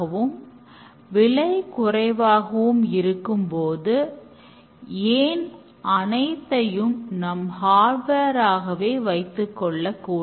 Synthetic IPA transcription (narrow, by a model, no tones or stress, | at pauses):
ɐʋɯm | ʋɪɭɐɪkʊrɐɪʋaːɣɐʋɯmɪɾɯkːɯmpoːðɯ | eːn | ʔɐnɐɪt̪ːɐjɯmnɐmhaːɾbɐɾaːɣɐʋeːʋɐɪt̪ːɯkːɔɭːɐkːuː